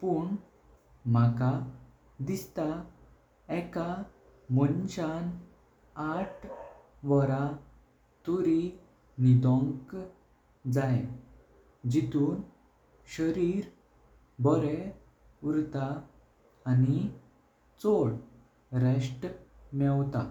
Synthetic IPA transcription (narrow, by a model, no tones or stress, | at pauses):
puːɳ | m̤aka | d̪ist̪a | ɛka | mɔnɕan | aʈʰ | ʋəɾa | t̪uɾi | nid̪ɔ̃ŋk | d͡zaje | d͡ʑit̪uːn | ɕəɾiːɾ | bɔɾɛ | uɾt̪aː | ni | t͡sɔɽ | ɾeɕʈmɛwt̪a